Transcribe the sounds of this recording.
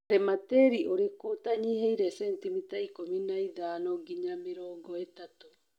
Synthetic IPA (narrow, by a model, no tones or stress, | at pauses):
ɾemateɾiʔoɾekotaɲihejɾesentimitaikominajðaːnoɡiɲamiɾoːɡoetato